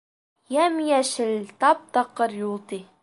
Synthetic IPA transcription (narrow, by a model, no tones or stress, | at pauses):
jæmjæʃɘlt̪ɑp̚t̪ɑqːɤɾjulˠt̪i